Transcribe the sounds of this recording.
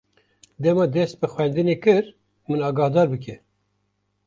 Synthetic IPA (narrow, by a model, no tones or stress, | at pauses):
d̪ɛmɑːd̪ɛst̪̚bɨxwɛnd̪ɨnekɨɾ | mɨnɑːɡɑːhd̪ɑːɾbɨk̬ɛ